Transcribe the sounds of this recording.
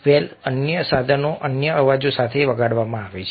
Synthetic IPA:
ʋɛlənjəsad̪ʱənoʔənjəəʋad͡ʒosat̪ʰeʋəɡaɽʋamãaʋet͡ʃʰ

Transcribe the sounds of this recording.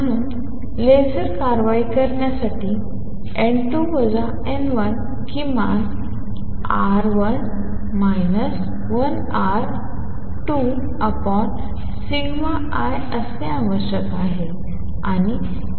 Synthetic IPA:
m̤əɽ̃uːn | lesəɾkaɾʋaikəɾɳjasaʈiː | eɳʈuʋəd͡za | enʋən | kima̰ɡ | a̰ɾʋən | majnəs | ʋən | a | ɾ | ʈu | əpɔn | siɡma | aj | əsẽãʋəɕjəkaɦe | aɽ̃i

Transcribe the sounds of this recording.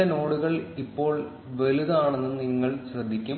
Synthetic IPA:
ɐno̞ːɽuɣɐɭipːo̞ːɭ | ʋeliðaːɳenːɨniŋːɐɭɕrɐd̪ʱːikʲːum

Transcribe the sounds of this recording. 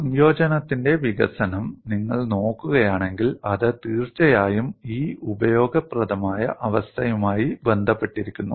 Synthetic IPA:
ɐmjo̞ːd͡ʑɐnɐt̪ːinde̞ʋiɣɐ̰sɐnɐmniŋːɐɭno̞ːkːuɣɐjaːɳe̞ŋɡilɐðɨt̪iːrt͡ɕːɐjaːjumiːubɐjo̞ːɡɐprɐðɐmaːjɐ̰ʔɐʋɐst̪ʰɐjumaːjibe̞nd̪ʱɐpːe̞ʈːiɾikʲːunːu

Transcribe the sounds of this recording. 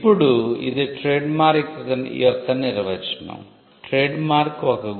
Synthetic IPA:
pːuɽuḭd̪eʈɾeːɖmaːɾikːɐkɐnḭɔt̪ːɐniɾʋɐit͡ʃɐnɐ̰m | ʈɾeːɖmaːɾkɔkɐɡ

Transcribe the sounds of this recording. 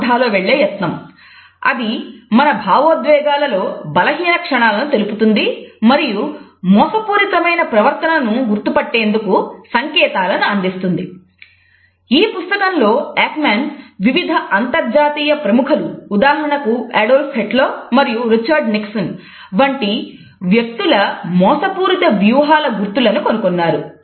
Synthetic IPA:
d̪ʱaːloːʋe̞ɭːe̞ːjɐt̪nɐm | ɐ̰d̪imɐnɐbʱaːʋoːd̪ʋɛːɡaːlɐlo̞ːbɐlɐɦiːlɐkʂɐɳaːlɐnut̪e̞luput̪und̪imɐɾiju | mɔːsɐpuːɾit̪ɐmɐjnɐpɾɐʋɐɾt̪ɐnɐnuɡuɾt̪upɐʈːe̞ːnd̪ukusɐŋkɛːt̪aːlɐnuɐnd̪ist̪und̪ḭ | iːpust̪ɐkɐnlo̞ːɛːkmaːnʋiʋid̪ʱɐʔɐnt̪ɐɾd͡ʒaːt̪iːjɐpɾɐmukʰɐluːd̪aːɦɐɳɐkuɛːɖoːlpʰeʈlo̞ːmɐɾijuɾit͡ʃɐːɾɖniksɐn | ʋɐɳʈi | ʋjek̚t̪ulɐmɔːsɐpuːɾit̪ɐʋjuːɦaːlɐɡuɾt̪ulɐnuko̞nukonːaːɾu

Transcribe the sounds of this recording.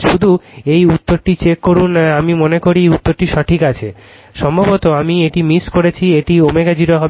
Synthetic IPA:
ʃud̪ʱuejut̪ːoɾʈit͡ɕekːoɾunamimonekoɾiut̪ːoɾʈiʃɔʈʰikat͡ɕʰe | ʃɔmbʱobot̪oamieʈimiskoɾet͡ɕʰieʈiomeɡad͡ʑiɾaɦɔ

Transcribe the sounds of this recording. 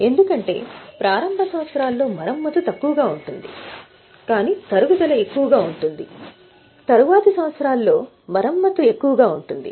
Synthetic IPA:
e̞nd̪ukɐɳʈe̞̰ːpɾaːɾɐmbʱɐsɐʋɐt̪sɐɾaːlːo̞ːmɐɾɐmːɐt̪ut̪ɐkːuʋɐɡaːuɳʈund̪ḭ | kaːniːt̪ɐɾuɡud̪ɐlɐe̞kːuʋɐɡaːuɳʈund̪i | t̪ɐɾuʋaːt̪ɐsɐʋɐt̪sɐɾaːlːo̞ː | mɐɾɐmːɐt̪ue̞kːuʋɐɡaːuɳʈund̪ḭ

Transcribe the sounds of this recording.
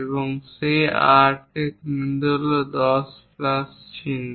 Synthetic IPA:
eboŋseaɾʈʰekmind̪old̪ɔsplast͡ʃʰin

